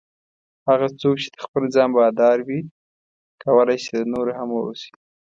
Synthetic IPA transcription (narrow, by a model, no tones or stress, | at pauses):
haɣat͡sok̚t͡ʃe̥d̪əxpəld͡zɑnbɑd̪ɑɾwi | kawəlajsed̪ənoɾahamwəṵsi̥